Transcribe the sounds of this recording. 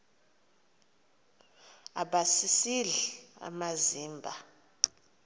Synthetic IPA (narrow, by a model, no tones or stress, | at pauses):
aɓasisiɮia̰maziːmbʱa̰